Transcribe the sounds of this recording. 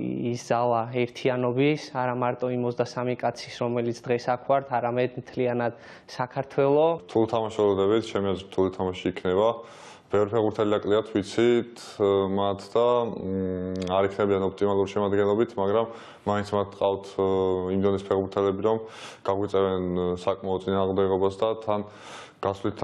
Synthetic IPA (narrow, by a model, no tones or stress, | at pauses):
isd̪zalˠaɛɾt̪ʰianɔbisaɾamaɾt̪ʼɔimɔzd̪asamikʼat̪sʰisɾɔmɛlit̪ʰd̪̥ʁɛsakʰwaɾt̪ʰaɾamɛd̪mt̪ʰlianad̪̥ | sakʰaɾt̪ʰwɛlˠɔɾt̪ʰulit̪ʰamaʃɔlɔd̪ɛbit̪ʰt͡ʃʰɛmiazɛɾt̪ʰulit̪ʰamaʃiːkʰnɛba | b̥ɛvɾipʰɛʁbuɾt̪ʰɛliakʼliat̪ʰvit̪sʰit̪ʰmat̪ʰd̪a | aɾikʰnɛbianɔpʰt̪ʼimalˠuɾiʃɛmad̪ɡɛnlˠɔbit̪ʰmaɡɾamː | ainsʰmat̪ʰqʼaft̪ʰimd̪ɔnɛspʰɛʁbuɾt̪ʰɛlɛbiɾɔmɡ̥aɡwit̪sʼɛvɛnsakʼmaɔt̪sʼinaːʁmd̪ɛɡɔbasd̪at̪ʰan | ɡ̥asvlit̪ʰ